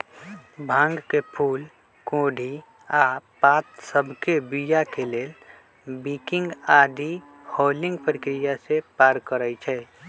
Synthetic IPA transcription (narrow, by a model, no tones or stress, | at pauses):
bʱãːŋɡkepʰuːl | koɖʱi | apat̪səbʱkebijakeleːl | bikɪ̃ŋɡad̪ʱi | hoːlɪ̃ŋɡpəɾɪkɾijasepaːɾkəɾəjt͡ʃʰɛː